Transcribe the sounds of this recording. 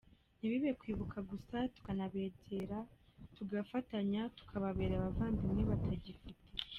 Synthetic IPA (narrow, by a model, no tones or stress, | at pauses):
niβiβekwiːβukʰaɡusatu̥kanaβe̞ːɟe̞ɾatuɡafataɲatu̥kʰaβaβe̞ːɾaβavaːmbiniβatʰaɟifitʰe